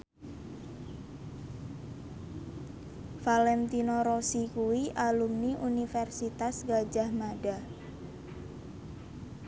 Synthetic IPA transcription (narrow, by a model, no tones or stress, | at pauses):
falɛnt̪inoɾosikuwiʔalumniʔunifɛrsit̪asɡad͡ʒahmada